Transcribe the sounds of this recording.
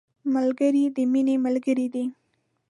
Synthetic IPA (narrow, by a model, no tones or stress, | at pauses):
mɐlɡɐɾid̪ɪminemɐlɡɐɾid̪e